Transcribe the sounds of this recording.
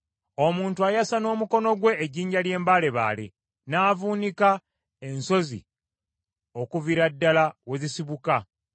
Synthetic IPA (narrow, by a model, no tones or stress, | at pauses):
o̞muːntuajasano̞ːmuko̞no̞ɡwe̞ʔːɟiːɲɟalje̞ːmbaːle̞βa̰ːlḛ | naːvuːnika | e̞nso̞zḭ | o̞kuviɾadːalawe̞zisiβuka